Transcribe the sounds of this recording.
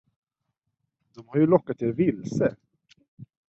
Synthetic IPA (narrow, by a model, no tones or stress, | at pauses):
d̪̥ɔmhaɾjɵlɔkːat̪ɪlvɪlsə